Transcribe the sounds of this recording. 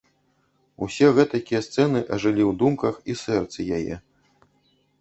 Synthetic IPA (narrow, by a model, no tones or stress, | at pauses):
usʲɛɣɛt̪ɐkʲijɛst̪sɛnɨʔɐʐɨlʲiwd̪umkɐxisɛrt̪sɨjajɛ̰